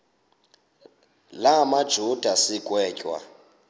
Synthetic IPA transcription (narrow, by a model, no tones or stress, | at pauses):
lamad̥ʒ̥ʱud̥ʱasikʼwɛːcʼwa̰